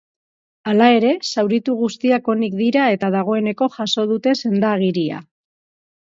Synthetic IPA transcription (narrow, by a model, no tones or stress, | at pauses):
alae̞ɾe̞sawɾit̪uɣ̞ust̪iako̞nikd̪iɾae̞t̪að̞aɣ̞o̞e̞ne̞ko̞ʝaso̞ð̞ut̪e̞se̞nd̪aɣ̞iɾia̰